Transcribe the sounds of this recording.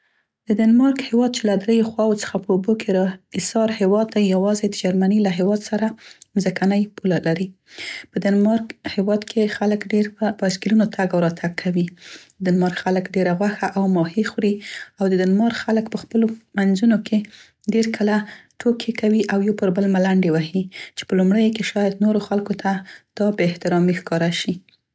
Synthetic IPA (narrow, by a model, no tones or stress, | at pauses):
d̪̥əd̪anmɑɾkhewɑd̪̚t͡ʃelad̪ɾejoxwɑwot͡sə̥xapəobokʰeɾɪsɑɾhewɑd̪̚ːajːawɑzed̪əd͡ʒaɾmanilaɦewɑd̪saɾamzəkanəjpulalaɾi | pəd̪anmɑɾkhewɑd̪kʰexaləkɖeɾəbaskɪlunot̪ʰaɡawɾɑt̪ʰaɡ̚kʰawid̪anmɑɾxaləkɖeɾaɣwaxaʔawmɑhixwɾiawd̪əd̪anmɑɾxaləkpəxpəlomanzunokʰe | ɖeɾkʰəlaʈʰokʰekawiʔawjopəɾbəlmalaɳɖewahit͡ʃe̥pəlumɽəjkeʃɑjad̪noɾoxalkot̪ʰad̪̥ɑbɪht̪ɪɾɑmixkɑɾaʃi